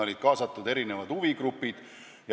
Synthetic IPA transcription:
o̞lʲid̪̥kɑːsɑt̪ːˑud̪e̞ɾine̞vɑd̪̥uviɡɾupːid̪̥ | jɑ

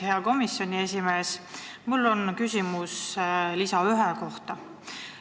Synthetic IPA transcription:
heɑko̞misːo̞nʲie̞sʲime̞ːs | mulːo̞nkysʲimuslisɑyɦeko̞ht̪ɑ

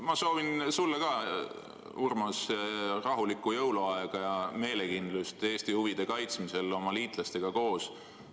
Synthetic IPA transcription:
mɑso̞ːvinsulːɑkɑ | urmɑsrɑɦulikːˑujɤwloɑeɡ̥ɑjɑme̞ːle̞kind̪lust̪e̞ːst̪ihuvid̪̥e̞kɑjt̪smise̞lo̞mɑliːt̪ˑlɑst̪e̞ɡ̥ɑko̞ːs

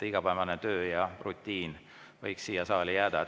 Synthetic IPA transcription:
t̪iɡ̥ɑpævɑnet̪ø̞ːjɑrut̪ʲːˑiːn | vɤjksːiːjɑsɑːlijæːd̪̥ɑ

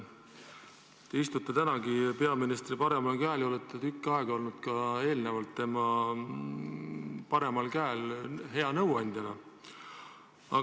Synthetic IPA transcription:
t̪e̞ist̪ut̪ːˑet̪ænɑɡipe̞ɑminist̪ripɑɾe̞mɑlkæːlolet̪ːˑet̪ykːɑeɡ̥o̞lnud̪̥kɑe̞ːlnevɑlt̪ːe̞mɑ | pɑɾe̞mɑlkæːlɦe̞ɑnɤwɑnʲd̪jɑnɑ | ɑ̰

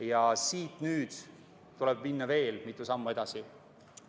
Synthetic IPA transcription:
jɑsiːt̪nyːd̪̥ | t̪ulɛb̥minːɑve̞ːlmit̪ːˑusɑmːue̞d̪̥ɑsi

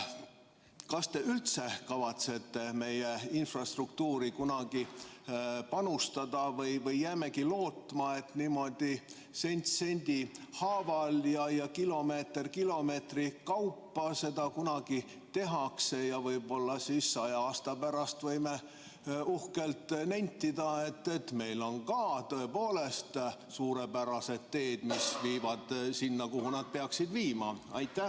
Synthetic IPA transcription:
kɑst̪e̞ylt̪se̞kɑvɑt̪se̞t̪ːeme̞jeinfrɑst̪rukt̪uːɾikunɑɡ̥i | pɑnust̪ɑd̪̥ɑvɤjvɤjːæːmekilo̞ːt̪ˑmɑe̞t̪niːmo̞d̪̥i | se̞nʲt̪se̞nʲd̪̥ihɑːvɑljɑjɑkilo̞me̞ːt̪erkilo̞me̞ːt̪rikɑwpːɑse̞d̪ɑkunɑɡ̥i | t̪e̞ɦɑkse̞jɑvɤjbo̞lːɑsisːɑjɑɑːst̪ɑpæɾɑst̪vɤjme̞ | uhke̞lt̪nænʲt̪ːid̪ɑe̞t̪ːe̞t̪me̞jlo̞nkɑːt̪øe̞po̞ːle̞st̪ | suːɾe̞pæɾɑse̞d̪t̪ːe̞ːd̪̥misviːvɑd̪̥sinːɑkuɦhunɑd̪̥̚peɑksid̪viːmɑɑ̰jt̪ːˑæh

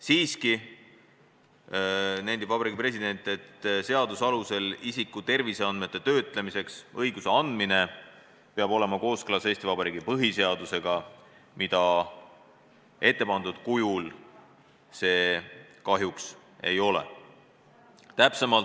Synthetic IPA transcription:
siːski | næjnivɑbɑɾiːɡ̥̚ipre̞sid̪e̞nʲt̪ːˑe̞t̪se̞ɑd̪usɑluse̞lisikːˑut̪e̞rviseɑnd̪met̪ːe̞t̪ø̞ːt̪ˑle̞mise̞ksɤjɡ̥use̞ɑnd̪mine̞ | peɑbo̞lemɑko̞ːskɯlɑse̞ːst̪ivɑbɑɾiːɡ̥ipɤɦise̞ɑd̪̥use̞ɡ̥ɑ | mid̪̥ɑ | e̞t̪ˑːe̞pɑnd̪ud̪̥kujul | se̞ːkɑɦjuks | e̞jo̞lḛ | t̪æpse̞mɑlt̪

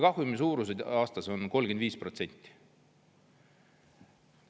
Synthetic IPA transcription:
kɑhwumis̬uːɾused̪ɑːst̪ɑso̞nko̞lɡ̥end̪viːspro̞t̪se̞nʲt̪ʲːˑi̥

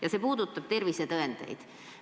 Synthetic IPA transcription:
jɑsepuːd̪ut̪ːɑpt̪e̞rʋiset̪øent̪ḛjt̪

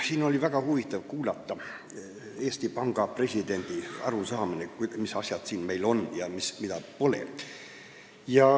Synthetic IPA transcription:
siːno̞lʲivæɡ̥ɑhuvit̪ːˑɑvkuːlɑt̪ːˑɑ | eːst̪ipɑŋɡ̥ɑpre̞sʲid̪e̞nd̪̥iɑ̰ɾusɑːminekmisɑsjɑd̪̥siːnme̞jlo̞njɑmismid̪ɑpo̞le̞̰ | jɑ

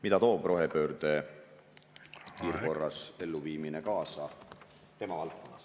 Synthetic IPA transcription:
mit̪ɑt̪o̞ːb̥rʔo̞ɦepø̞ːɾd̪e̞ | piːrko̞rːɑse̞lːuviːminekɑːsɑ | t̪e̞mɑvɑlt̪̚ko̞nːɑs

